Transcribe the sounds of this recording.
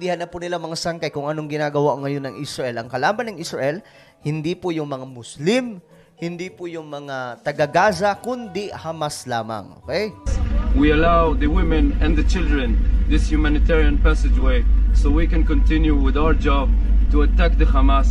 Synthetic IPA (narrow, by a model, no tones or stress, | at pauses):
d̪ihɐnːɐpʊnɪlamɐŋasaŋkɐjkʊŋʔɐnoŋɡɪnaːɡɐwaŋɐjo̞nːɐŋʔɪsɹɐʔɛlɐŋkɐlaːbɐnːɐŋʔɪsɹɐʔɛl | hɪnd̪ipʊjʊŋmɐŋamʊslɪm | hɪnd̪ipʊjʊŋmɐŋat̪ɐɡaɡaːsɐkʊnd̪ɪhamasla̰ːmɐ̰ŋʔo̰ːkɛjwiɐlaʊwðəwɪ̃mɛ̃nɛ̃nðət͡ʃɪlˠdɹɛ̃nðɪsjumanɪtɛɹiãnpæsɪd͡ʒweɪsowikɛ̃nkɔ̃ntʰɪ̃njuwɪðawə˞d͡ʒɑb̚ | tuɐtæk̚d̪əhamas